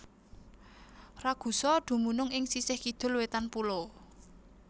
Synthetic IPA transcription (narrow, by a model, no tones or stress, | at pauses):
raɡ̥ṳsɔd̪̥ṳmunʊŋɪŋsisɪhkid̪̥ʊ̤lwet̪anpulo